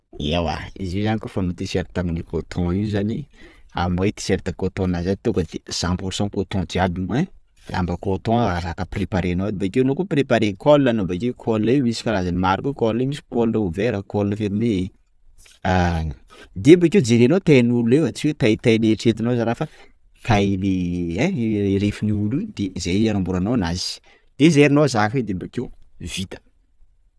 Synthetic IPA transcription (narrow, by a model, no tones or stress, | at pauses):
ḭawa̰izizanikofamut̪isɛɾt̪aminikot̪ʰɔ̃iwzania̰majt̪i̥seɾt̪akot̪ɔ̃nazanit̪ukəd̪ez̥ãpuɾsɔ̃kot̪ɔ̃d͡ʒiabine | la̰mbəkot̪ɔ̃aɾakəpirepaɾenoad̪ibakewnokupirepaɾekolinanobakekʰolnemisi̥kaɾazanimaɾukekolnemisi̥kolnəuveɾakolnəfeɾmei | a | d̪embakewd͡zeɾenot̪ejnuluewat͡ʃiet̪ajt̪ajleʈ͡ʂet̪inozaɾafə | kʰajle | ɾefiniulud̪̥eizajaɾambuɾananaz̥i̥ | d̪̥ezeɾinozakid̪embakev̥it̪ə̥